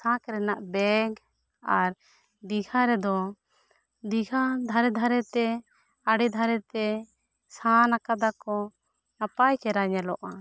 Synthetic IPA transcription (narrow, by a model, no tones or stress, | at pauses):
sãkɾɛnaʔbɛɡ | aɾ | d̪iɡʱaɾɛd̪ɔ | d̪iɡʱad̪ʱaɾɛd̪ʱaɾɛt̪ɛ | aɽɛd̪ʱaɾɛt̪ɛ | sãnakad̪akɔ | napajkɛɾaɲɛlɔʔa